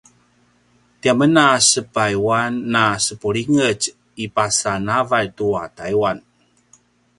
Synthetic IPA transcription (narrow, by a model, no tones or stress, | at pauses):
t̪iamənasəpajwanːasəpuɾiŋət͡ʃ | ipasanavatuatajwan